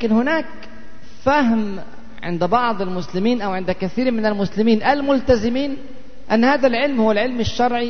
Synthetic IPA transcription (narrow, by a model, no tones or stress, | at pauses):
akɪnhʊnaːk | fahm | ʕɪ̰nd̪bɑʕd̪ˤɪlmʊslɪmiːnʔawʕɪnd̪kaθiːɾmɪnalmʊslɪmiːnʔalmʊlt̪azɪmiːn | ʔanːhaːðalʕɪlmhʊwːalʕɪlmaʃːɑɾˤʕi